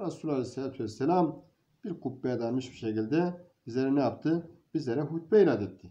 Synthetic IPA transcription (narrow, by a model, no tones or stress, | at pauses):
ɾasulʲalʲɛselʲaːt̪ʰuvɛsːɛlʲam | b̥iɾkʰupːɛd̪anmɯʃbiʃecilʲd̪ɛbizlʲeɾɛnɛjap̚t̪ʰɯb̥izlʲeɾɛɦut̪̚bɛilʲaːd̪et̪ʰːi